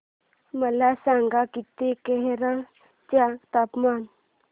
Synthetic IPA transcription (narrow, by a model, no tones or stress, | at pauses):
məlasãŋɡakit̪ːekeɦeɾəɭ | t͡ɕaɡt̪apman